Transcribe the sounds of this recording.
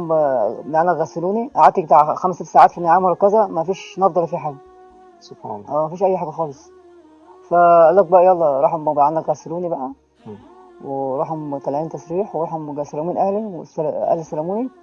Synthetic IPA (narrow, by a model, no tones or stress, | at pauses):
mbʕanːækɣæseluːniʔaʕat̪ːikt̪aʕxæmset̪ːsaʕaːt̪fimejʕaːmɑɾˤɑkːæzæmæfiːʃnɑfd̪ˤɑlæfiːħaːɡæ | sob̥ħa̰nʔæːmæfiːʃʔæjːħaːɡæxɑːlesˤ | fælːæːk̚bæʔæjɑlˤːɑɾˤɑːħhombʕanːækɣæseluːnibæʔæ | weɾˤɑːħhomt̪ælʕiːnt̪ɑsˤɾiːħweɾɑːħhomɡæsælæmuːnʔæhliwḛsælʔæ̰hlisælæmuːni